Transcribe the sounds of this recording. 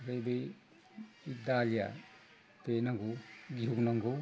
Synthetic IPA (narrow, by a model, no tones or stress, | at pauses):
ɾejbej | id̪alija̰ | penaŋɡuɡiɦuɡunaŋɡu